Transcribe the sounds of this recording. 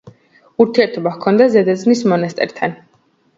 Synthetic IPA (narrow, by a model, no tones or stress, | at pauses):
uɾt̪ʰiɛɾt̪ʰɔbakʰɔnd̪azɛd̪aznismɔnast̪ʼɛ̰ɾt̪ʰan